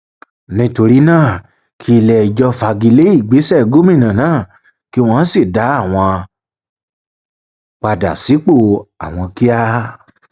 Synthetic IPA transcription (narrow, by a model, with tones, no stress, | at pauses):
nĩ˦to˧ɾi˦nãː˦˨ | kʰi˦i˧lɛ˨i˨d͡ʒɔ˧fa˧ɡi˧le˦i˦˨ɡ͡be˨˦sɛ˦˨ɡo˦mĩ˦˨nã˨nãː˦˨ | ki˦˧w̃ɔ̃˦˧˦si˦˨da˨˦a˦˨w̃ɔ̃˧ | k͡pa˧da̰˨si˨˦k͡po˦˨a̰˨w̃ɔ̃˧ki˦a˦